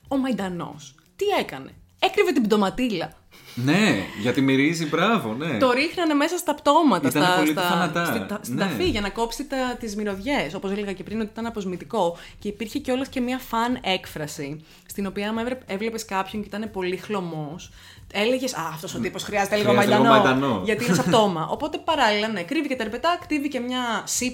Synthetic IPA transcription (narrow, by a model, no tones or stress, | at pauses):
o̞mɐind̪ɐno̞̰s | t̪ie̞kɐne̞̰ | ekɾive̞t̪ibd̪o̞mɐt̪ilɐ | neʝɐt̪imiɾizibɾɐvo̞net̪o̞ɾixnɐne̞me̞sɐst̪ɐpt̪o̞mɐt̪ɐist̪ɐɐoit̪ɐɐnɐt̪ɐsɐst̪ɐfiʝɐnɐko̞psit̪ɐt̪izmiɾo̞ðʝe̞so̞po̞seleɣɐce̞pɾinot̪iit̪ɐnɐpo̞zmit̪iko̞ | ce̞ipiɾçeceo̞lesce̞miɐfɐne̞kfɾɐsi | st̪ino̞piɐɐmevɾeevlepeskɐpço̞ɲceit̪ɐne̞po̞lixlo̞mo̞s | e̞leʝe̞sɐːft̪o̞sot̪iposxɾiɐzet̪eliɣomɐnd̪ɐnomɐd̪ɐnoʝɐt̪inesɐpt̪o̞mɐʔo̞po̞t̪e̞pɐɾɐlilɐne̞kɾivicet̪ɐeɾpe̞t̪ɐkɾivice̞mɲɐsi